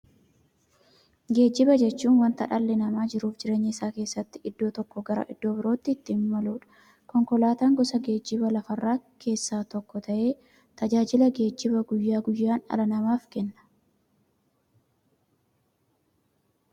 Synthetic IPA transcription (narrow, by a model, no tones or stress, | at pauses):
ɡe̞ːd͡ʒːɪbɐd͡ʒɛt͡ʃːuːnwɐnt̪ɐᶑɐlːɛnɐmaːd͡ʒɪɾuːfd͡ʒɪɾe̞ːɲːɪːsaːke̞ːsːɐt̪ːɪʔɪd̪ːo̞ːt̪ɔkːɔɡɐɾɐ̰ʔɪd̪̥ːo̞ːbɪɾo̞ːt̪ːɪːt̪ːɪmːɐluːᶑɐ̥ | kɔŋkɔlaːt̪aːŋɡɔsɐɡe̞ːd͡ʒːɪbɐlɐfɐrːaːkʰe̞ːsːaːt̪ɔkːɔt̪ɐʔe̞ː | t̪ɐd͡ʒaːd͡ʒɪlɐɡe̞ːd͡ʒːɪbɐɡʊjːaːɡʊjːaːnɐ̰lɐnɐmaːfkɛnːɐ̥